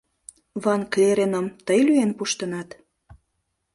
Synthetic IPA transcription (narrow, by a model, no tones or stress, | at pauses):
βɑnklʲeɾenəmt̪əjlyenpuʃt̪ənɑt̪